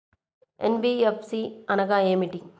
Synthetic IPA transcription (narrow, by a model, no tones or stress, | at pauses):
ɛnbiepsiɐnɐɣaemiʈi